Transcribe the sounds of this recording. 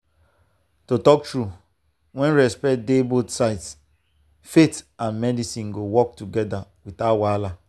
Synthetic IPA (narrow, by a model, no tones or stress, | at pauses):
totɔk̚tɹu | wɛ̃nɹɛspɛt̚debotsaɪts | fetãnmɛdisĩnɡowɔk̚tuɡɛdawitawala